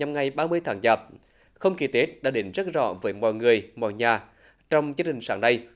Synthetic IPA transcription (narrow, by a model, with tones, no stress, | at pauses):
ɲa˨˩mŋa˨˩jɓaː˧mɨ˧əjt̪ʰaː˨˦ŋzaː˨˩p̚ | xə˧wŋ͡mki˨˩t̪e˦˥t̚ɗa̰ː˧˥ɗi˨˦nzə˦˥t̚zɔ̰˧˨vəː˨˦jmɔ̰˧˨jŋɨ˨˩əjmɔ̰˧˨jɲaː˨˩ | t͡ɕɔ˧wŋ͡mzɨ˧ət͡ɕï˨˩ŋ̟saː˨˦ŋɗə˧j